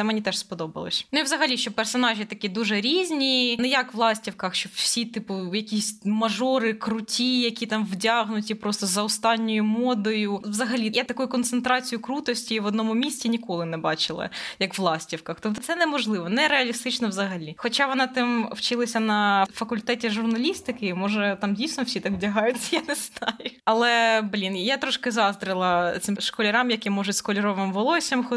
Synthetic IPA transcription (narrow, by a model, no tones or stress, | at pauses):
sɛmɛnʲit̪ɛʃspɔd̪ɔbɐ̰lˠɔ̰sʲnuiwzɐɦɐlʲiʃt͡ʃɔpɛrsɔnɑʒʲit̪ɐkʲid̪uʒɛɾʲizʲnʲinɛjɐkʋlˠɑsʲtʲiwkɐxʃt͡ʃɔbwsʲit̪ɪpʊjɐkʲisʲmɐʒɔɾɪkɾʊtʲijɐkʲit̪ɑmʋdʲɑɦnʊtʲipɾɔst̪ɔzɐʊst̪ɑnʲːɔjʊmɔd̪ɔjʊʋzɐɦɐlʲijɛt̪ːɐkujʊkɔnt̪sent̪ɾɑt͡sʲijʊkɾut̪ɔsʲtʲiʋɔd̪nɔmʊmʲisʲtʲinʲikɔlˠɪnɛbɑ̰t͡ʃɪlˠɐ̰jɐkʋlˠɑsʲtʲiwkɐxt̪ɔt̪t̪sɛnɛmɔʒlˠɪʋɔnɛɾɛɐlʲist̪ɪt͡ʃnɔʋzɐɦɐlʲixɔt͡ʃɑʋɔnɑt̪ɪmwt͡ʃɪlˠɐsʲɐnɐfɐkʊlʲt̪ɛtʲiʒʊrnɐlʲist̪ɪkɪmɔʒɛt̪ɑmdʲijsʲnɔfsʲit̪ɑkdʲɐɦɑjʊt͡sʲjanɛst̪ʰɑjʊɐlˠɛblʲinjat̪ɾɔʃkɪzɑzd̪ɾɪlˠɐt̪sɪmʃkɔlʲɐɾɑmjɐkimɔʒʊtʲskɔlʲɪɾɔʋɪmʋɔlˠɔsʲɐmxɔ